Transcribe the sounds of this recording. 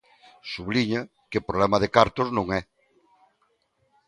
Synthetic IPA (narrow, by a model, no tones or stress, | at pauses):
suβliɲa | kɪpɾoβlɛmɐðɪkaɾt̪ʊznõŋɛ